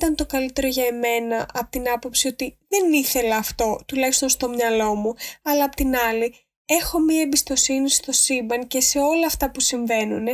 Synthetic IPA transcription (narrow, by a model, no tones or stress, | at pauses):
t̪ɐnt̪o̞kɐlit̪e̞ɾo̞ʝɐeme̞nɐʔɐpot̪inɐpo̞psio̞t̪iðe̞niθe̞lɐːft̪o̞t̪ulɐçist̪o̞nst̪o̞mɲɐlo̞muɐlɐːpo̥t̪inɐli | e̞xo̞miɐembist̪o̞sinist̪o̞sibɐŋce̞se̞o̞lɐːft̪ɐpusiɱve̞nun